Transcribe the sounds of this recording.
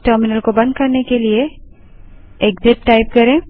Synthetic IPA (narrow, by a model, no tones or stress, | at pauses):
ʈəɾminəlkobɐ̃nd̪̚kɐɾnekelie | ekd̪et̚ʈajp̚kəɾẽ